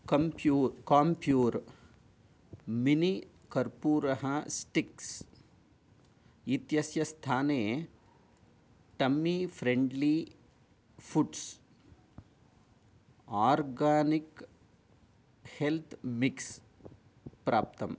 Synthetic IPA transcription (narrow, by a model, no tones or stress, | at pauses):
kɐmpuːkaːmpjuːɾ | mini | kɐɾpuːɾɐɦɐsʈiks | it̪jɐsjɐst̪ʰaːneː | ʈɐmːipʰɾeɳɖli | pʰuʈs | aːɾɡaːnik | helt̪ʰmiks | pɾaːp̚t̪ɐm